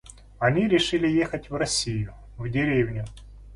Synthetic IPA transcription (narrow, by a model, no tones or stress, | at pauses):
ɐnʲiɾʲɪʂɨlʲɪjexətʲvrɐsʲijʊ | vdʲɪɾʲevnʲʊ